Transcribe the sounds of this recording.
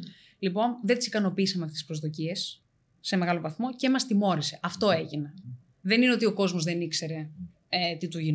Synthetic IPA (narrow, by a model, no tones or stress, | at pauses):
lipo̞nðe̞nt̪isikɐno̞piisɐmeɐft̪eispɾo̞zðo̞cie̞sː | e̞me̞ɣɐlo̞vɐθmo̞ceemɐst̪imo̞ɾise̞ʔɐft̪o̞e̞ʝine | ðe̞nineo̞t̪ioko̞zmo̞zðenikse̞ɾe̞ | et̪it̪uʝin